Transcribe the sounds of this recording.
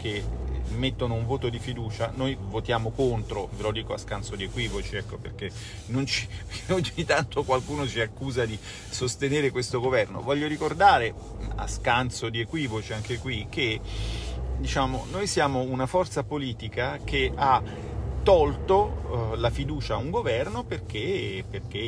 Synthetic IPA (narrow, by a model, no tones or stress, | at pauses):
k̟emːet̪ːonouɱvoːt̪od̪ifid̪uːt͡ʃanojvot̪jaːmokont̪ɾovelod̪iːkoaskansod̪iekwiːvot͡ʃiɛkːoperke | nːont͡ʃi̥oɲit̪ant̪okwalkuːnot͡ʃiakːuːzad̪i | sost̪eneːɾekwest̪oɡovɛrno̰vɔʎːoɾikord̪aːɾe | a̰skant̪sod̪iekwiːvot͡ʃiaŋkekwik̟ʰːe | d̪it͡ʃaːmonojsjaːmounafɔrt̪sapoliːt̪ikak̟ea | t̪ːɔlt̪olafid̪uːt͡ʃauŋɡovɛrnoperk̟eperk̟e